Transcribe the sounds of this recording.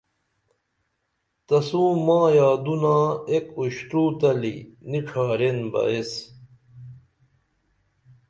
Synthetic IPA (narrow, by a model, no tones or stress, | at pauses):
t̪ɐsũːmãːjaːd̪unaːekuɕʈ̪uːt̪ɐlḭniʈ͡ʂʰaːɾenbɐ̰es